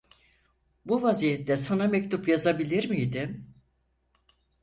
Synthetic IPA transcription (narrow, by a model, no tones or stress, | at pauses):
buvazijɛt̪d̪ɛsanamɛc̚t̪ʰupjazabilʲiɾmijd̪ɪm